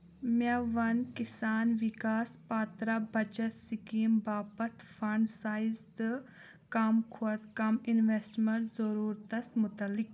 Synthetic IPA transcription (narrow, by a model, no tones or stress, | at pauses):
maʋɐnkisaːnʋikaːspaːt̪ɾabɐd͡ʒɐt̪sikiːmbaːbɐt̪ʰfɐɳɖsaːjzd̪ɨ | kɐmkʰuɐt̪kɐminʋeːsʈmeɳʈzɐɾuːɾt̪ɐsmʊt̪ɐlːɪk̚